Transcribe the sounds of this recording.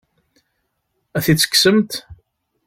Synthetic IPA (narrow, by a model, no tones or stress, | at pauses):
æθit͡sːə̥kːsəmt̪